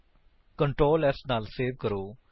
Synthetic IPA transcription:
kəɳʈɾoːlɛsnaːlseːʋkəɾoː

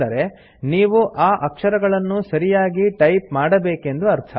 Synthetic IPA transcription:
ɐɾe̞ | niːʋuʔaːʔɐkʂɐɾɐɡɐɭɐnːusɐɾijaːɡiʈɐjp̚maːɽɐbeːke̞nd̪uɐɾt̪ʰɐ

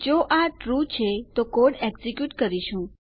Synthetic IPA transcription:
d͡ʒoʔaʈɾut͡ʃʰet̪okoɽɛɡzikjuʈkəɾiʃũ

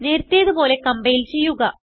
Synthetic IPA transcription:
neːɾt̪ːijɐðɨpo̞ːle̞kɐmbɐjilt͡ɕe̞jːuɣɐ

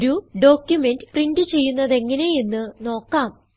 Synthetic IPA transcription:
ɾuɖo̞ːkjume̞ndɨpriɳdɨt͡ɕe̞jːunːɐðe̞ŋːɐne̞jinːɨno̞ːkːaːm

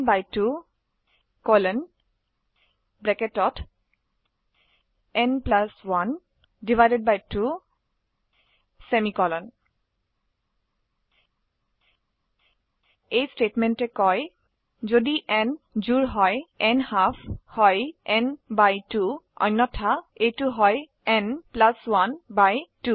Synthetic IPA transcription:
bajtu | kolɔn | bɹɛketɔt | ɛnplaswan | divajded̚bajtu | sɛmikɔlɔn | ejstetmɛntɛkɔj | zodiʔɛnzuɹɦɔjɛnhapʰhɔjɛnbajtuɔ̰jnːɔtʰaejtuɦɔj | ɛnplaswanbajtu

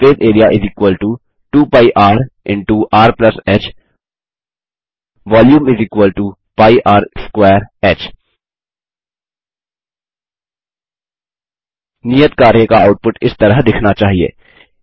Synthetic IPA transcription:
peːt̪eːɾijaʔɪziːkwəlʈu | ʈuːpaːiʔaːɾɪ̃ɳʈuʔaːɾplɐsɛːt͡ʃ | ʋaːljuːmɪziːkwəlʈu | paːiʔaːɾskwɛːɾɛːt͡ʃ | nijət̪kaːɾjekaaːʊʈ̚pʊʈɪst̪ɐɾəɦd̪ɪkʰnat͡ʃaːɦiḛː

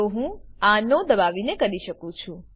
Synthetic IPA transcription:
oɦũãnod̪əʋaʋinekəɾiʃəkũt͡ʃʰũ

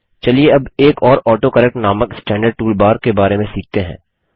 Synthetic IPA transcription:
t͡ʃɐlieɐbeːkɔːɾɔːʈokəɾɛk̚ʈnaːməksʈɛ̃ːɳɖəɖ̚ʈuːlbaːɾkebaːɾemẽsiːk̚ʰt̪eɦɛ̰̃ː

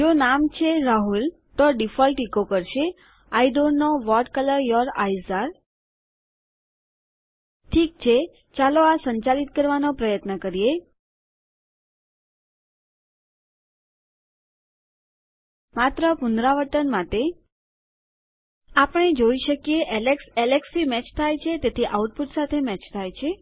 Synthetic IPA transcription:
d͡ʒonamt͡ʃʰeɾaɦul | t̪oɖifɔlʈikokəɾʃe | ajd̪oɾnoʋɔʈkələɾjɔɾajzaɾ | ʈʰikt͡ʃʰe | t͡ʃaloasəɲt͡ʃalit̪̚kəɾʋanopɾəjət̪nəkəɾije | mat̪ɾəpʊnd̪ɾaʋəʈənmat̪e | apəɳ̃ed͡ʒoiʃəkjeʔɛleksɛleksimɛt͡ʃt̪ʰajt͡ʃʰet̪et̪ʰiʔauʈ̚puʈsat̪ʰemɛt͡ʃt̪ʰajt͡ʃʰe

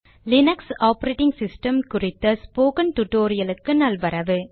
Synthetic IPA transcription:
lɪnɐksaːpɐɾeːʈɪŋɡsɪsʈɐmkʊrɪt̪ːɐspoːkɐnʈʊʈoːɾɪjɐlɯkːɯnɐlʋɐɾɐʋɯ

